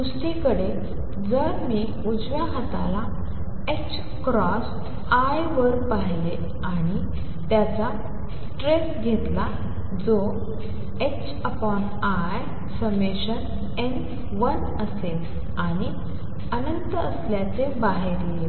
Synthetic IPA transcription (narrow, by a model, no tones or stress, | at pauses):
d̪usʈikəɽe | d͡zəɾmiː | ud͡zʋaɦat̪ala | ek̚t͡ɕ | kɾɔs | ajʋəɾpaɦle | aɽ̃i | t̪jat͡sa | s | ʈɾesɡʱet̪la | d͡zo | ek̚t͡ɕ | əpɔn | a | j | səmeɕən | en | ʋən | əsel | aɽ̃i | ənənt̪əəsljat͡sebaɦeɾ | e